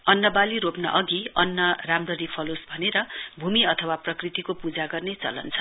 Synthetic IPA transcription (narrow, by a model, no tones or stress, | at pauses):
ʌnːʌbaliɾopnʌ̰ʔʌɡiʌnːʌramrʌɾipʰʌlosbʱʌneɾʌbʱumiʌt̪ʰʌwaprʌkrit̪ikopud͡zaɡʌrnet͡sʌ̰lʌ̰nt͡sʰʌ̥